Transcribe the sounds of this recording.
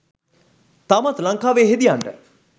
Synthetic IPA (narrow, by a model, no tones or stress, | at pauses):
t̪amat̪lɐŋkaːʋeːɦed̪ijaɳɖə̰